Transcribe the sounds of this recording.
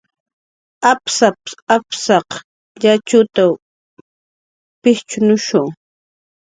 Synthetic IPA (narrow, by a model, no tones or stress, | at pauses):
apsapapsɑq | ʎat͡ʃʊt̪aw | pɪht͡ʃʊnʊʃʊŋ